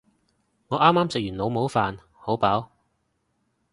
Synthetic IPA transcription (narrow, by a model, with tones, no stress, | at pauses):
ŋɔː˨˧ʔaː˥mːaː˥msɪ˨k̚jyː˨˩nlo˨˧wmo˨˥wfaː˨n | ho˨˥wpaː˨˥w